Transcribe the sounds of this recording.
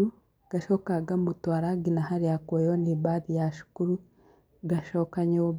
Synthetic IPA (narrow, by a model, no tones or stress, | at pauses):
u | ɡ̥aʃokaɡamutwaɾaɡinahaɾijakojonibadijaʃu̥kuɾu | ɡaʃokaɲe